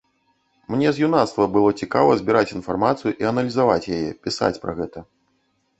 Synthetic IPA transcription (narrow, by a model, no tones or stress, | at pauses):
mnʲɛzʲjunat̪st̪vɐbɨlˠɔt͡sʲikavɐzʲbʲiɾat͡sʲinfarmat̪sɨjuʔiɐnɐlʲizavat͡sʲjajɛpʲisa̰t͡sʲpɾɐ̰ɣɛt̪ɐ